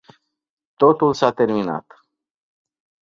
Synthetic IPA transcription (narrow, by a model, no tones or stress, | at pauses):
t̪o̞t̪ulsat̪e̞rmina̰t̪